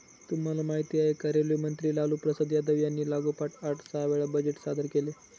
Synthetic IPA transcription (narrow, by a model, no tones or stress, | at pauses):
t̪um̤alamaɦit̪iaekəɾelumənt̪ɾiːlalupɾəsəd̪ʱjad̪əʋjanːiːlaɡupaʈaʈʰsaʋeɭabəd͡ʑeʈsad̪əɾkele